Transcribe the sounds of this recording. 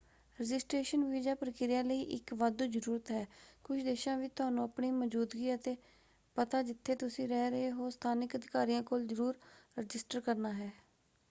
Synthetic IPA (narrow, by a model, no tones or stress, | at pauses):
ɾəd͡ʒɪsʈɾeːʃənʋiːd͡ʒaːpɾəkɪɾɪjãːləiːʔɪkʋad̪uːd͡ʒəɾuːɾət̪ɦɛːkʊt͡ʃʰd̪eːʃãːʋiːt̪ʊaːnũːəpɳiːməd͡ʒuːd̪ɡiːət̪eː | pət̪aːd͡ʒɪt̪ʰːeːt̪ʊsĩːɾɛːɾəeːɦoːst̪ʰaːnɪkəd̪ʱɪkaːɾiːãːkoːlzəɾuːɾɾɪd͡ʒɪsʈəɾkəɾnaːɦɛː